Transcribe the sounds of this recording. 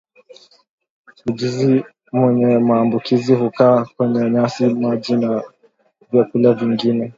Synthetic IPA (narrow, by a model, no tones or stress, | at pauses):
hud͡ʒizi | mwɛɲɛmaːmbukʰizihukaːkwɛɲɛɲasimaʄina | vjakulaviŋɡinɛ